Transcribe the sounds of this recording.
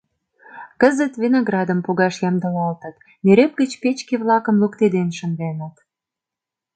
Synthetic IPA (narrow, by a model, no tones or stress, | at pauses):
kəzə̆t̪vinoɣrɑd̪ə̆mpuɣɑʃjɑmd̪ə̆lɑlt̪ə̆t̪ | meɾep̚ɡə̆t͡ɕpet͡ɕkeβlɑkə̆mlukt̪ed̪enʃə̆ndenət̪